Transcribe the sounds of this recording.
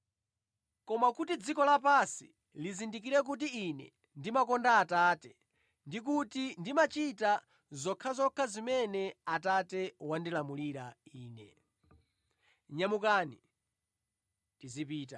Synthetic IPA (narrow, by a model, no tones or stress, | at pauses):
kɔmakutid͡zikɔlapasi | lizindik̬iɾɛk̬ut̬iinɛ̰ | ndimakɔndaːtaːtɛ | ndik̬utindimat͡ʃita | zɔkʰazɔkʰazimɛnɛatatɛwandilamuliɾaiːnɛ̰ | ɲamukaːnḭ | tizipiːta